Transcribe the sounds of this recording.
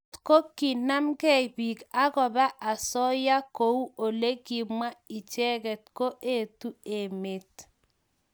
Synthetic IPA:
ko˦ki˨na˦mkɛ˦ibi˨ka˦kɔ˨ba˦ʔa˨sɔ˦ja˦ko˨˦u˦o˨le˦ki˨mwa˦i˨t͡ʃɛ˦ɣɛ˨t̚ko˦ʔe˦˨tu˦e˨me˨t̚

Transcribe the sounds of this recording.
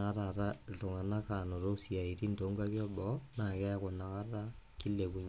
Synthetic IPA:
ɾaɾato˨ŋa˨na˦ka˨no˨ɾo˦sia˨iɾi˦ndo˨ŋɡa˦βjɔ˦bɔna˨kɛ˦ako˨na˨kaɾa˦ki˦le˨βu˨ɲ

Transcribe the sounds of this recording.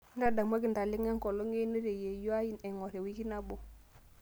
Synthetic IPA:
n˦da˦˨da˨m˦a˦ki˨nda˨li˦ŋa˦ŋ˦kɔ˨lo˦ŋe˦ni˦ɾe˨je˨jo˦a˦ji˦nɛ˨ŋɔ˨ɾe˨wi˦ki˦na˦bo˨

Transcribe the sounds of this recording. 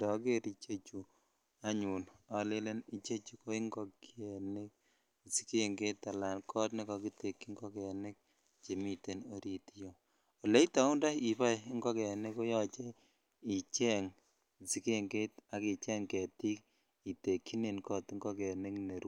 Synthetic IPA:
dɔ˨˦ke˦ɾi˦t͡ʃe˦t͡ʃu˨ | a˦ɲu˨na˨le˦le˦ni˨t͡ʃe˦t͡ʃu˨ko˦i˦ŋɡɔ˦ki˦e˨ne˦k̚ | si˦ke˦ŋɡe˦ta˨la˨nkʰɔ˦tne˦kɔ˨ki˦te˨kːi˦ŋɡɔ˦kɛ˨nɪ˦k̚ | t͡ʃe˨mi˦te˨no˦ɾi˨ti˦jo˨ | o˨le˦i˦ta˨˦u˦nda˦i˨pa˦jŋɡɔ˦kɛ˨ne˦ko˦jɔ˦t͡ʃe˦ | i˨t͡ʃɛ˦ŋ˨ | si˦ke˦ŋɡe˦ta˨ki˨t͡ʃɛ˦ŋkɛ˨ti˦k | i˨te˨kːi˦ne˨nkɔ˦tŋɡɔ˦kɛ˨ne˦kne˨ɾu˦

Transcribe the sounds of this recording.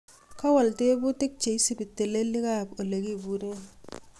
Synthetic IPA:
ka˦wa˨lte˦bu˦ti˦k̚t͡ʃe˨i˦si˦˨bi˨tːe˨le˦li˦ka˦˨po˨le˨ki˦˨bu˨˦ɾe˦n

